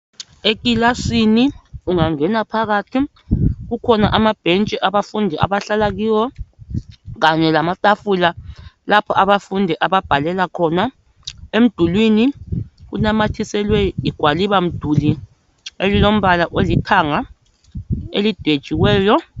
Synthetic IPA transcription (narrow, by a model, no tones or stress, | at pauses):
ek̬ʼilasiniuŋaŋɛnapʰaɣ̬atʰi | k̬ukʰɔnaʔamab̥ʱent͡ʃʼiʔaβafundʱɛʔa̰ɓaɬalak̬iːwɔ | k̬aɲɛlamatʼafulalapʰɔʔaɓafundʱɛʔaɓab̥ʱalɛlakʰɔna | em̩d̥ʱulwinik̬unamatʰisɛlwɛiɡ̥ʱwaliɓam̩d̥ʱuli | elilom̩ɓalaʔolitʰaŋa | ḛlid̥ʱwed̥ʒ̥ʱiwɛːjɔ